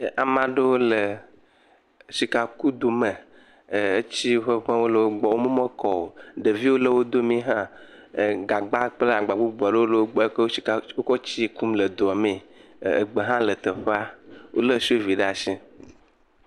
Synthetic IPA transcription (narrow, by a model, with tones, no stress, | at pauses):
ʔa˨mã˨ɖə˦wo˦lə˨ | si˨ka˨ku˦d̪o˨mə̃˨ | e˦t͡ɕi˦ɸə˦ɸẽ˦wo˦lə˨wo˦ɡ͡bɔ˨wo˦mõ˦mə̃˦kɔ˨o˨ɖə˨vi˦wo˦lə˦wo˦d̪o˦mĩ˦ɦã˦˨ | ɡa˨ɡ͡ba˦k͡ple˦a˨ɡ͡ba˨ɡ͡bu˦ɡ͡bu˨a˨ɖə˦wo˦lə˨˦wo˦ɡ͡bo˦i˨kwo˦kɔ˦t͡ɕi˦ku˦mlə˨d̪o˨a˨mĩ˨ | ɡ͡be˨ɦã˦lə˨t̪ə˨ɸe˦a˦wo̰˦lə˦si˦o˦vi˨ɖa˨sĩ˦